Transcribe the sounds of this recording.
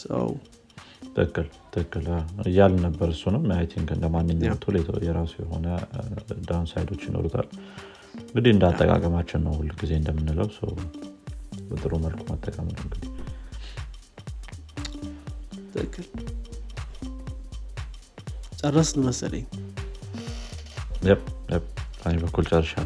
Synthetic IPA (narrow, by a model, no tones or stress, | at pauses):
sə̰w | t̪ʰɨkːɨl | t̪ʰɨkːɨlaɨjalnəbːəɾɨsunəwmajt̪ʰiŋkɨnd̪əmanːɨɲːawt̪ʰolet̪ʰə̰jɛɾasujɛɦo̞̰nə | d̪ansajd̪ʰo̞t͡ʃːjɪnʔo̰ɾut̪ʰa̰l | ŋɡɨd̪iɨnd̪at̪ʼːəkʼa̰kʼəmat͡ʃːɪnːəwhulɡize̞ɨnd̪əmːɨnːɨləwsə̰w | bət̪ʼɨɾuməlkʰumət̪ʼːəkʼəmləŋɡɨd̪ | t̪ʰɨkʰːɨl | t͡ʃʼərːəsnməsə̰lə̰ɲ | jɛbjɛbʼɨnebəkʰːult͡ʃʼərːəʃa